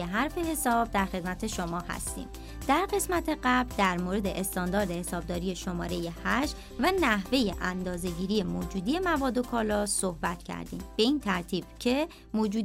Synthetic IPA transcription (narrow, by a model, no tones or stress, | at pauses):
eɦæɾfe̞he̞sɒːb̚d̪æɾxe̞d̪mæt̪ʰe̞ʃo̞mɒːhæ̰st̪ḭːm | d̪̥æɾɢe̞smæt̪ʰeɢæbld̪æɾmoɾe̞d̪e̞ʔest̪ɒːnd̪ɒːɾd̪ehesɒːb̚d̪ɒːɾije̞ʃo̞mɒːɾe̞je̞hæʃ | vænæhve̞je̞ʔænd̪ɒːze̞ɟiːɾije̞moːd͡ʒuːd̪ije̞mævɒːd̪o̞kʰɒːlɒssohbæt̪ʰcʰæ̰ɾd̪ḭːmb̥e̞iːnt̪ʰæɾt̪ʰiːb̥cʰe̞ | moːd͡ʒuːd̪